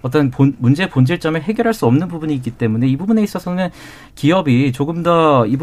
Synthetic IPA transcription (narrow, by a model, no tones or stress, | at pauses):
ʌt̬͈ʌnpomund͡ʑe̞pond͡ʑeɭt͡ɕ͈ʌmeɭɦe̞ɡjʌɾɦaɭs͈uʌmnɯnbubuɲiːk͈it͈e̞mune̞ibubune̞is͈ʌsʰʌnɯn | kijʌbit͡ɕoɡɯmdʌibu